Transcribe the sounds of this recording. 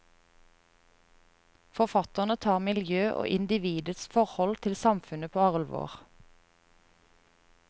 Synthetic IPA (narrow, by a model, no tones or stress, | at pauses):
fɔʁfɑt̪əʁnət̪ʰɑːʁmɪljøːʔo̰ːʔɪnd̪ɪʋiːd̪əsfɔʁhɔlt̪ʰɪlsɑmfʉnəpʰoːɑʁlʋo̰ːʁ